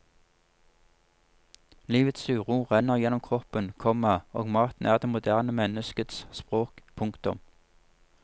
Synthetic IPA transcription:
liːʋət̪sʉːʁuːʁɛnəʁjɛnːɔmkʰʁɔpənkʰɔmɑo̰ːɡmɑːt̪n̩æːʁd̪eːmʊd̪æʁnəmɛnəskət̪sspʁoːkpʰʊŋkt̪ʊm

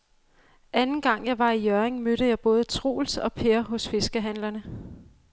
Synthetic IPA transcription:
ʔænn̩ɡ̥ɑ̈ŋ̰jɑ̈ɪʋɑ̈ijœɐʁeŋmøɾ̥əjɑ̈ɪb̥ɔ̽ːð̞ˠət͡sʰʁo̝̰ːlsɒ̽pʰe̝ɐɦɔ̽sfe̝sɡ̥əɦænlɐnə

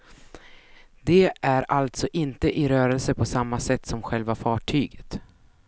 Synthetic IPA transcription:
d̪ɛʔæɾalt̪sɔʔɪnt̪əʔɪɾœːɾɛlsəpʰɔsamːasɛt̪ːsɔmɧɛlvafɑːʈʰyːɡə̥t̪

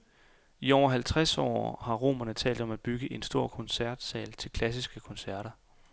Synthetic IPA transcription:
iɒʊ̰ɐɦælt͡sʰʁasɒ̰ːhɑ̈ʁo̝̰ːmɐnət͡sʰɛ̰ːld̥ɒ̽mæb̥yɡ̥əʔe̝nsd̥o̝ɐ̰kʰɒ̽nsæɐd̥sɛːlt͡sʰe̝lkʰlæs̬isɡ̥əkʰɒ̽nsæɐ̰ɾ̥ɐ

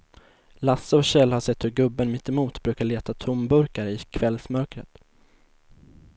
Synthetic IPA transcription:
lasːəɔɕɛlːhaʂɛt̪ːhɵɾɡɵbːənmɪt̪ːɛmuːt̪bɾʉ̟ːkaɭeːt̪at̪ʰʊmbɵɾkaɾəɪkʰvɛlsmœɾkɾət̪

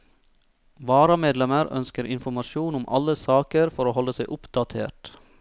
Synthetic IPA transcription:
ʋɑːɾɑmeːd̪lɛməɾœ̰nskəɾʔɪnfɔmɑʃuːnʊmʔɑ̰ləsɑːkəɾfɔɾoːhɔlːəsæɪʔʊpd̪ɑt̪ʰḛːʈ

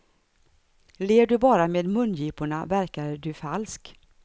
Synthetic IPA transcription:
leːɖɵbɑːɾameːd̪mɵnjiːpʊɳa̰væɾkaɾɖɵfalsk

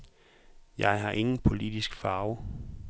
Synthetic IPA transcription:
jɑ̈ɪɦɑ̈ʔe̝ŋn̩pʰo̝lid̥isɡ̥fɑ̈ːʊ

